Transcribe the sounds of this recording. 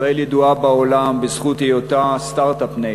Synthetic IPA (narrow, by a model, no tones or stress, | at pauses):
eljed̪uabaolambezχut̪ejot̪ast̪aʁt̪apne